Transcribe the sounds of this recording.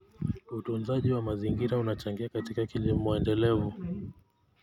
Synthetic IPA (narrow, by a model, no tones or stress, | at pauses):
utunzaʄiwamaziŋɡiɾaunat͡ʃaŋɡiakatikakilimɔɛndɛlɛvu